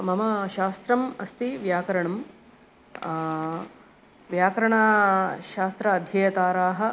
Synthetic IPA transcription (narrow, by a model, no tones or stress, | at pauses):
mɐmɐʃaːst̪ɾɐmɐst̪iʋjaːkɐɾɐɳɐm | ʋjaːkɐɾɐɳaʃaːst̪ɾɐːd̪ʱjɐjɐt̪aːɾaːɦɐ̆